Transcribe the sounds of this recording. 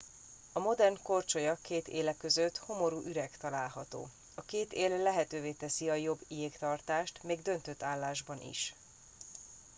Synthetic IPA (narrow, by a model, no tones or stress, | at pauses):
ɒmo̞d̪ɛrnko̞rt͡ʃojɒkeːt̪eːlɛkːø̞zøt̪ho̞mo̞ɾuːʔyɾɛkt̪ɒlaːlɦɒt̪o̰ː | ɒkeːt̪eːlːɛɦɛt̪øːveːt̪ɛsiɒjo̞bːijeːkt̪ɒrt̪aːʃt̪meːɡd̪ø̞nt̪øt̪ːaːlːaːʒbɒnḭʃ